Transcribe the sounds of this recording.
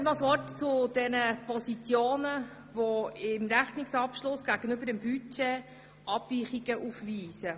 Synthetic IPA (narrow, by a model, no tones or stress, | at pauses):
nɔsʋɔrtt͡sʊd̥ɛnəpɔsit͡sjoːnə | voɪmɾæχnɪksɑpʃlʊsɡ̥æɡ̥ənøbəɾɛmbyt͡ʃe | ʔɑb̥viːχiɡ̥əʔufviːsə